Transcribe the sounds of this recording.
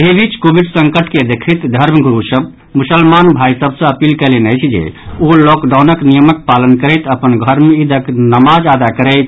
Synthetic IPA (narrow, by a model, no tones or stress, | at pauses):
eɦebʱit͡ʃkobiɖsəŋkəʈʰked̪ekʰit̪d̪ʱəɾmɡuɾusəb | musəlmanbʱaisəbsə̃əpilkɛlenəjt͡ʃʰd͡ʒḛolɔkɖaʊnəknijəmək̚palənkəɾɛt̪əpənɡʱəɾmid̪ʱəknəmad͡ʒad̪akəɾɛɪt̪